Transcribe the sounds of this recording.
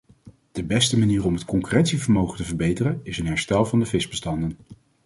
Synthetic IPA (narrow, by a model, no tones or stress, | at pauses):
d̥əbɛstəmaniːrɔmɦətkɔŋkyrɛnsivəɹmowχəntəvəɹbejtərənɪsənɦɛɹstɛlˠvɑndəvɪsbəstɑndən